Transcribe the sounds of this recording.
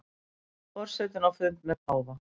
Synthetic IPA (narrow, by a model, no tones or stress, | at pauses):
pɔɾ̥sɛt̪ɪnawfʏnt̪mɛðaːwva